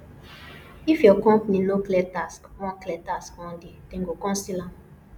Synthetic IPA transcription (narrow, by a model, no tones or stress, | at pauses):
ifjɔkɔ̃mpninoklɛtaskwɔ̃klɛtaskɔ̃ndidɛ̃ŋɡokɔ̃nsilãm